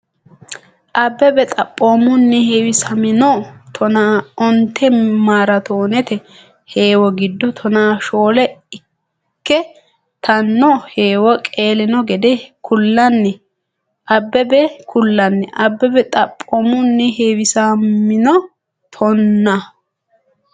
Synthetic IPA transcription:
ʔɐbːɛbɛt̪ʼɐpʼːoːmʊnːɛheːwɪsɐmɪnɔt̪ʰɔnaːɔnt̪ːɛmaːɾɐt̪oːnɛt̪ɛ | heːwɔɡɪd̪ːɔt̪ʰɔnaːʃoːlɛɪ | kːɛ | t̪ɐnːɔheːwɔkʼe̞ːlɪnɔɡɛd̪ɛkʰʊlːɐnːɛ | ʔɐbːɛbɛkʰʊlːɐnːɛʔɐbːɛbɛt̪ʼɐpʼːoːmʊnːɛheːwɪsamɪnɔ | t̪ʰɔnːɐ

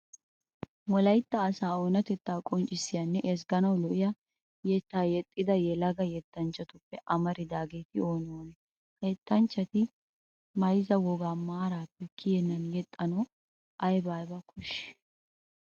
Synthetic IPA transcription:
wɔlɐjt̪ːɐːsaːoːnɐt̪ɛt̪ːaːkʼɔnt͡ʃʼːɪsːɪjɐnːɛʔɛs̬ɡɐnɐwlɔʔɪjɐ | jɛt̪ːaːjɛt̪ʼːɪd̪ɐjɛlɐɡɐjɛt̪ːɐnt͡ʃːɐt̪ʊpːɛʔɐmɐɾɪd̪aːɡeːt̪ɪoːnɔwɐn | hɐjɛt̪ːɐnt͡ʃːɐt̪ɪ | mɐjzɐwɔɡaːmaːɾaːpːɛkʰɪjɛnːɐnjɛt̪ʼːɐnɐ | ʔɐjbaːjbɐkʰʊʃɛ̥

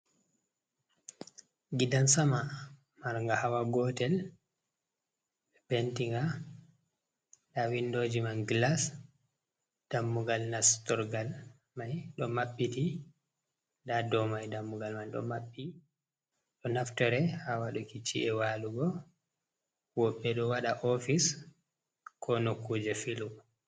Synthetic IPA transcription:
ɡidansama | maɾŋɡahawaɡɔtɛl | ɓɛpentiŋɡa | ɗawindoːd͡ʒimanɡlas | d̥amːuɡalnastɔɾɡal | majɗɔmaɓːiti | dadɔmajdamːuɡalmajɗɔ̰maɓːi | ɗɔnaftɔɾɛhawaɗukit͡ʃiʔɛwaluɡɔ | wɔɓːɛɗɔwaɗaʔɔfis | kʰɔnokːud͡ʒɛfilu

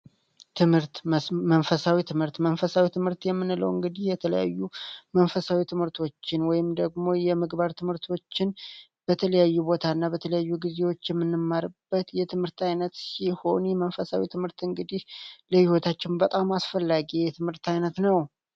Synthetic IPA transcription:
t̪ʰɨmhɨɾt̪mənfəsawit̪ʰɨmhɨɾt̪mənfəsawit̪ʰɨmhɨɾt̪jɛmːɨnːɨlə̰wɨŋɡɨd̪ihjɛt̪ʰələ̰ja̰jːumənfəsawit̪ʰɨmhɨɾt̪ʰo̞t͡ʃːɪnwɔjɪmd̪əɡmo̞jɛmɨɡbaɾt̪ʰɨmhɨɾt̪ʰo̞t͡ʃːɪn | b̥ət̪ʰələjajːubo̞t̪ʰanːabət̪ʰələjajːuɡize̞wo̞t͡ʃːjɛmːɨnːɨmːaɾɨb̥ːət̪jɛt̪ʰɨmhɨɾt̪ʰajnət̪siho̞njɛmənfəsawit̪ʰɨmhɨɾt̪ɨŋɡɨd̪ihləhiwot̪ʰat͡ʃːɪnbət̪ʼamasfəlːaɡijɛt̪ʰɨmhɨɾt̪ʰajnət̪nəw

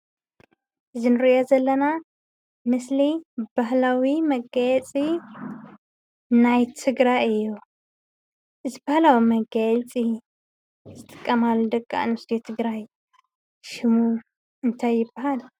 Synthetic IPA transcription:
ʔɨzinɨɾiʔozɐlːɐna | mɨslib̥ahlawimɐɡajɛt͡sʼi | najt̪ʰɨɡɾajɨjːu | ʔɨzibahlawimɐɡajɛt͡sʼi | z̥ɨt̪ʼɨkʼːɐmalːud̪ɐkʼːa̰nɨst̪ʰjet̪ʰɨɡɾaj | ʃɪmu | ɨnt̪ʰajːɪbːahal

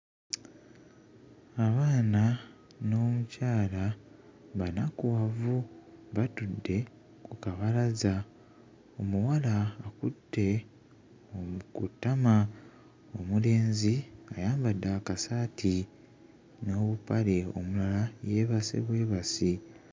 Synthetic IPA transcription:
aβaːna | no̞ːmucaːla | βanakuwavuβatudːe̞ | kukaβalaza | o̞muwalaːkudːe̞ | okutːama | omule̞ːnziajaːmbadːakasaːtʰi | no̞ːβupaleo̞̰mulalajeːβasḛβwe̞ːβasi

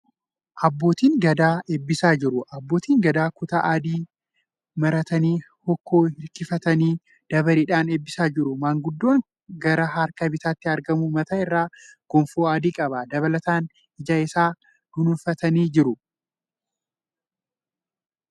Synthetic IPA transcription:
ʔɐbːo̞ːt̪iːŋɡɐd̪aːʔeːbːɪsaːd͡ʒɪɾʊʔɐbːo̞ːt̪iːŋɡɐd̪aːkʊt̪ɐʔaːd̪iː | mɐɾɐt̪ɐniː | hɔkːo̞ːhɪɾkɪfɐt̪ɐniː | d̪̥ɐbɐɾiːᶑaːneːbːɪsaːd͡ʒɪɾʊmaːŋɡʊd̪ːoːŋ | ɡɐɾɐɦaɾkɐbɪt̪aːt̪ːɪɐɾɡɐmumɐt̪aːɪrːaːɡ̥ɔmfoːaːd̪iːkʼɐbɐd̪ɐβɐlɐt̪aːn | ɪd͡ʒaːɪsaː | d̪̥ʊnʊfɐt̪ɐniːd͡ʒɪɾʊ

